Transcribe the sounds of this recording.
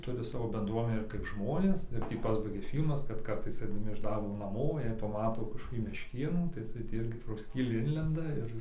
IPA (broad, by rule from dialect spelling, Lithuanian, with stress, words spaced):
ˈtʊrʲɪ ˈsɑːʋoː bʲɛnˈdruɔmʲɛnʲæː ɪr kɐɪp ˈʒmoːnʲeːs ɪr ˈtʲiː ˈpɑːzbɐɪɡʲɛ ˈfʲiːlʲmɐs kɐt ˈkɐrtɐɪs ɐɪdɐˈmʲɪ ɪʃ ˈdɐrboː nɐˈmoː ˈjiɛ pɐˈmɑːtoː kɐʃkoːˈkʲiː mʲɛʃʲˈkʲeːnuː tɐɪ ɪˈsɐɪ tʲiː ˈɪrʲɡʲɪ proː ˈsʲkʲiːlʲiː ˈɪnʲlʲɛndɐ ɪr